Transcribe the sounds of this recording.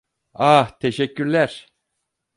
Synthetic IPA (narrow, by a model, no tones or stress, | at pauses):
aht̪ʰeʃecːyɾlʲæɾ̥